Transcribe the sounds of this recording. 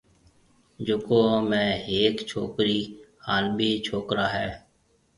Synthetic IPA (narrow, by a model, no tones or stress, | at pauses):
d͡ʒʊkoːmẽːeːkt͡ʃʰoːkɾiːhaːnbʱiːt͡ʃʰoːkɾaːɦɛː